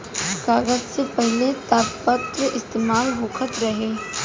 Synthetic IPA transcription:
kaːɡəzsepɛɦlet̪aːpət̪ɾəʔɪst̪eːmaːlɦoːkʰət̪ɾɐɦeː

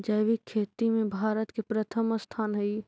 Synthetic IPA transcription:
d͡ʒəjʋikʰːeːt̪imẽbʱaːɾət̪kepɾət̪ʰəməst̪ʰaːnɦəi

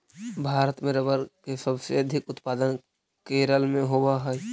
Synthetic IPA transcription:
bʱaːɾət̪mẽɾəbəɾkesəbseɐd̪ʱɪkʊt̪paːd̪ən | keːɾəlmẽɦobaɦɛ

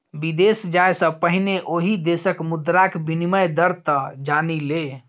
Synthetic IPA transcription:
bid̪esd͡ʒaesə̃pəɦineʔoɦid̪esəkmud̪ɾakbiniməjd̪əɾt̪əd͡ʒanile

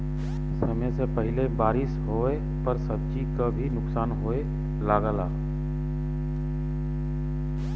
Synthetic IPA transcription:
ɪsɦəmesepəɦɪlebaːɾɪsɦoe | pəɾsəb̚d͡ʒikabʱinʊksaːnɦoe | laːɡəlaː

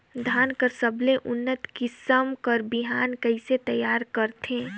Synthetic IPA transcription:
d̪ʱaːnkəɾsəblẽʔʊnːət̪kisəmkəɾbiɦaːnkəɪset̪əjaːɾkəɾt̪ʰẽː

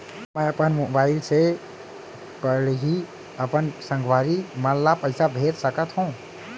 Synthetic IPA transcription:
məəpənmobaɪlse | pəɽɦi | əpənsə̃ŋɡʋaɾimanlapəɪsabʱeɾsəkət̪ɦũ

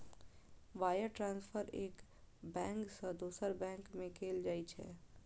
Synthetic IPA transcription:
ʋaːjəɾʈɾãːnspʰəɾeːk | bɛ̃ːŋksə̃d̪oːsəɾbɛ̃ːŋkmẽkʰeːld͡ʒaːit͡ʃʰɛ̰

